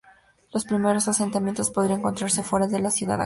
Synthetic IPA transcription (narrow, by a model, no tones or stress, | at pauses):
lo̞spɾime̞ɾo̞sase̞nt̪amje̞nt̪o̞spo̞ðɾiaeŋko̞nt̪ɾaɾse̞fwe̞ɾaðelasjuða̰ða̰